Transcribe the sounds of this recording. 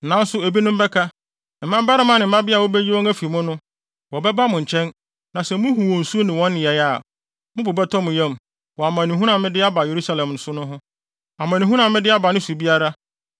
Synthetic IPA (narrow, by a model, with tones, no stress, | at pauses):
nã˨˦n̩˦sʊ˦e˨bi˦nʊ̃˦m̩˦bɛ˦kʰa˦ | m̩˨mã˦m˦bɛ˦ɾɪ˦mã˦nɪ̃˨m̩˦mã˦bɪ˦a˨wo˦bɛ˦d͡ʑi˦wɔ̃˦ŋæ˦fi˨mʊ̃˦nʊ̃˦ | wɔ˨bɛ˦ba˦mʊ̃˨ɲ̩˨t͡ɕʰɛ̃˦n | nã˨sɛ˨mʊ̃˦ɦu˨wo˨n̩˨su˦nɪ̃˨wɔ̃˦nːɪ̃˨ɛ˨ja˨ | mʊ̃˦bʊ˨bɛ˦tʰɔ˦mʊ̃˨jɛ̃˦m˨ | wɔ˨a˨mã˨nĩ˨ɦũ˦nã˨mɪ̃˦dɪ˦a˦ba˨je˨ɾu˦sa˦˨lɛ̃˨mn̩˨˦sʊ˦nʊ̃˦ɦʊ̃˦ | a˨mã˨nĩ˨ɦu˦ã˨˦mɪ̃˦dɪ˦a˦ba˨nʊ̃˦su˨bi˦a˦ɾa˦